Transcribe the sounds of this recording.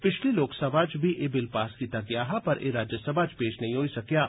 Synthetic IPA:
pɪt͡ʃʰliloːksɐbʱat͡ʃbʱiʔɪbɪlpaːskit̪ɐɡjaːɦapɐɾʔḛɾaːd͡ʒjəsəbʱat͡ʃpeːʃnɐɦĩɦoːisɐkjaː

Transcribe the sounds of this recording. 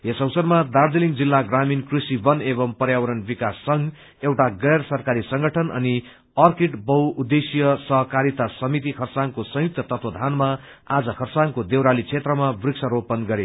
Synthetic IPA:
esʌwsʌrmad̪ard̪eliŋd͡zilːaɡraminkrisibʌnebʌmpʌɾjawʌɾʌnbikasːʌŋ | ewʈaɡʌjrsʌrkaɾisʌŋɡʌʈʰʌnʔʌ̰ni | ʌrkeʈbʌwud̪esijʌsʌɦʌkaɾit̪asʌmit̪̬ikʰʌrsaŋkosʌ̃ɦjuk̚t̪ʌt̪ʌt̪wʌd̪ʱanma | ad͡zʌkʰʌrsaŋkod̪ewɾalit͡sʰet̪rʌmabriksʰʌɾopʌnɡʌɾe

